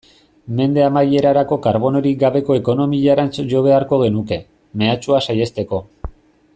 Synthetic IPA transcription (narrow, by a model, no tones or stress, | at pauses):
me̞nd̪e̞amaje̞ɾaɾako̞kaɾβo̞no̞ɾik̚ɡaβe̞ko̞eko̞no̞miʎaɾant͡soʝo̞β̞e̞aɾko̞ɣ̞e̞nuke̞ | me̞at͡ʃuasaje̞st̪e̞ko̞